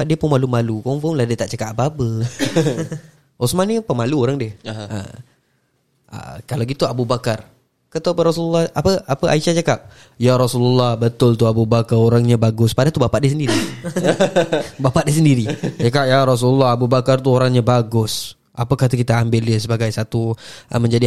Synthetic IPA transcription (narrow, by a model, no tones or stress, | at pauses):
baʔ̚diəpʊnmalumalukɔŋfɔmlahdiət̪aʔt͡ʃakaʔapaapə | usmanɲəpəmaluoɾaŋdiəə̰ | ə̰kalaɡit̪uabubakar | kat̪uapəɾɔsulalːɑhapəapəʔa̰iʃat͡ʃakap̚ | jaɾɔsulalːɑhbət̪ʊlt̪uabubakaɾoɾaŋɲabaɡʊspadat̪ubapaʔ̚dis̬əndiɾi | bapaʔ̚disəndiɾit͡ʃakap̚jaɾɔs̬ulalːɑhabubakart̪uoɾaŋɲabaɡʊs | ʔapəkaht̪akit̪aːmbɪldɪsəbaɡajsat̪uʔə̰məɲd͡ʒadi